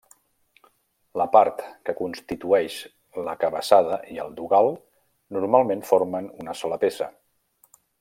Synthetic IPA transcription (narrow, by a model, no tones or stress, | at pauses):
ləpaɾt̪kəkunst̪it̪uɛʃ | ləkəβəsaðəʔiə̰lˠd̪uɣalˠ | nuɾmalˠmenfoɾmənunəsɔləpesə̰